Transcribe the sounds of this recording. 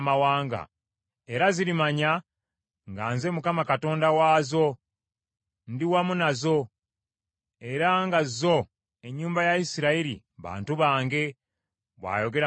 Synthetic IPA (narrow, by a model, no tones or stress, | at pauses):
mawaːŋɡa̰ | e̞ɾaziɾimaɲa | ŋɡaːnze̞mukamakato̞ːndawaːzo̞ | ndiwamunazo̞ | e̞ɾaŋɡazzo̞ | e̞ɲːuːmbajaisiɾaiɾḭ | βa̰ːntuβaːŋɡe̞ | βwa̰ːjo̞ɡe̞ɾa